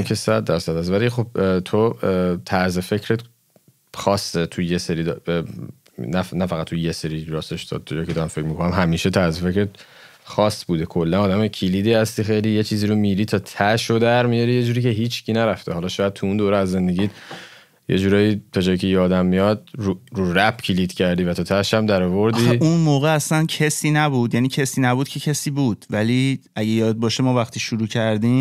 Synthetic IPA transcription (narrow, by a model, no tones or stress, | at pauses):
ikʰesæd̪̚ːæɾsæd̪æs̬væliχo̞b̚t̪ʰot̪ʰæɾzefe̞cʰɾet̪ | xɒːsːet̪ʰujeseɾiːd̪ | nænæfæɣæt̪̚ʰːujeseɾiɾɒːseʃd̪ɒ̰d̪̚ʰːed͡ʒɒːjkʰced̪ɒɾæmfekɾmikʰonæmɦæmiːʃe̞t̪ʰæɾze̞fe̞cɾet̪ | xɒːsbuːd̪ekʰolːænɒːd̪æmecʰiliːd̪iːhæst̪ixejliːjet͡ʃʰiːziːɾomiɾiːt̪ʰɒːt̪ʰæʃod̪æɾmijɒɾije̞d͡ʒuːɾiːcʰeɦiːt͡ʃʰcʰiːnæɾæft̪ʰehɒlɒʃɒːjæd̪̚t̪ʰuund̪oːɾɛæzːe̞nd̪eɟiːd̪ | jḛd͡ʒuːɾɒːjiːt̪ʰɒd͡ʒɒːjicʰejɒːd̪æmːijɒd̪̚uɾuɾæbcʰiliːd̪̥cʰæɾd̪iːvæt̪ʰɒt̪ʰæʃæmd̪æɾɔvoɾd̪iːunmoːɣeæslæncʰesiːnæbuːd̪jæːniːcʰesiːnæbuːd̪̥̚cʰe̞cʰesiːbuːd̪̥væliʔæɟejɒːd̪̚bɒːʃemɒːvæχt̪ʰiːʃuɾuːcʰæɾd̪im